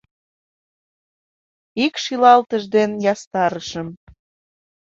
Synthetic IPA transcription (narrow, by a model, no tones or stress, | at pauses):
ikʃilɑlt̪əʒd̪enjɑst̪ɑɾəʃəm